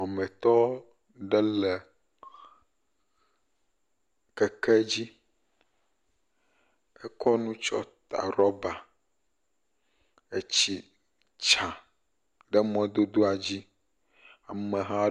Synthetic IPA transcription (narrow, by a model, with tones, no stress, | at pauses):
a˨mɛ̃˨t̪ɔ˦ | ɖɛ˦lɛ˨ | kɛ˨kɛ˦d͡ʑi˦ | ɛ˦kɔ˦nũ˦t͡ʃɔ̰˦t̪a̰˨ɾɔ˦ba˨ | e˨t͡ɕi˨ | t͡ʃa˨ | ɖə˦mɔ̃˦d̪o˦d̪o˦a˨d͡ʑi˦ | a˨mɛ̃˨ɦã˦